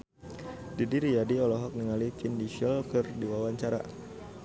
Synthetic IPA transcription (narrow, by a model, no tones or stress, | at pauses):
didiɾijadiɔlɔɦɔk̚niŋalifindiʃəlkɨrdiwawaɲt͡ʃaɾa̰